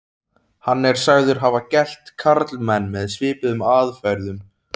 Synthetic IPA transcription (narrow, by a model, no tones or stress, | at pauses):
hanːɛɾ̥saɣðʏɾ̥ɦavacɛl̥t̪kʰaɾt̪lmɛnːmɛðsvɪːpɪðʏmaːðfɛɾðʏm